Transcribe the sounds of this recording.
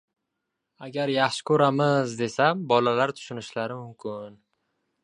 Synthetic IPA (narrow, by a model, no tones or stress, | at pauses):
aɡʲaɾjaχʃɪ̥kʰɵɾamɪzd̪e̞sabɒlalaɾt̪ʰʊ̥ʃʊnɪʃlaɾɪmʊmkʲʰʊn